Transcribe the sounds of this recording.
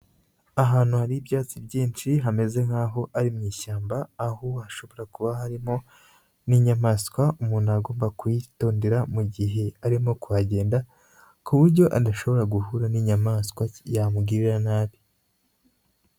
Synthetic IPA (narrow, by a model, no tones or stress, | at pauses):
aɦaːn̥huhaɾiːbjaːt͡sibɟiːnt͡ʃiɦame̞ze̞ŋhaːɦo̞ʔaɾimŋiːʃaːmbaːhoaʃo̞βoɾakuβahaɾimo̞ | niɲamaːskwaumuːnuaɡo̞ːmbakujito̞ːndeɾamuɟiɦe̞aɾimo̞kuβaɟe̞ːnda | kuβuɾɟo̞ʔadaʃo̞βo̞ɾaɡuhuɾaniɲamaːskwajamuɡiːɾiɾanaːβi